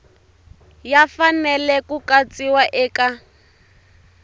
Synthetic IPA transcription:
jafanɛlɛkukat͡siwaʔɛːka

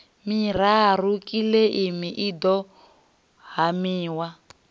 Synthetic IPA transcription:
miɾarukʼileʔimiʔidɔ | ɦamiːwa

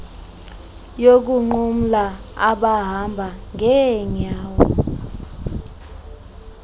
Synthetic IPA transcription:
jok̬uŋ͡ǃum̩laa̰ɓaɦambʱaŋʱɛɲaːwɔ̰

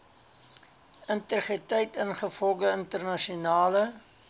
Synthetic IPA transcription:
əntəχritəjtənχəfɔlˠɡəəntərnɐʃiunɑːlə

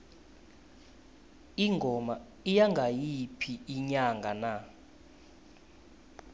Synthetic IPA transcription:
iŋɡʱɔma | ijaŋɡʱajipʰiːɲaŋɡʱana

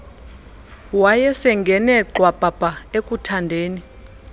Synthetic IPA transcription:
wajɛsɛŋɡʱɛnɛǃwab̥ʱʼab̥ʱʼaekʼutʰandʱeːni

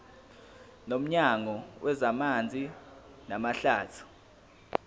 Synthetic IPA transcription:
nom̩ɲaŋɔwʔɛzamand͡zʱi | namaɬaːtʰu̥

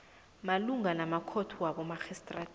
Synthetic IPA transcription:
maluŋanamakʰotʰuwaɓɔmaxɛstʼra

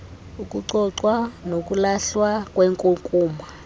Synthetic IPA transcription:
uk̬ʼuǀɔǀwanok̬ʼulaɬwakwɛːŋkʼuŋkʼuːma

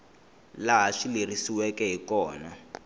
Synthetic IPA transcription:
laɦaʂilirisiwɛkɛɦikɔːna

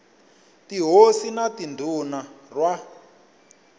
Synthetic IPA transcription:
tiɦosinatindʱunarwa

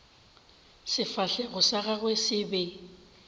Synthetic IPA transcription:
sɪfaɬɛɣʊsaɣaɣwɛsɪbɛ

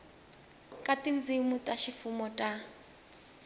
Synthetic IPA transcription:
kʼatʼind͡zimutʼaʃifumɔtʼa

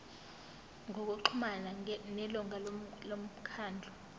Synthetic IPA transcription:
ŋok̬uǃʰumananɛlɔŋallom̩kʰaːnd͡ɮʱɔ

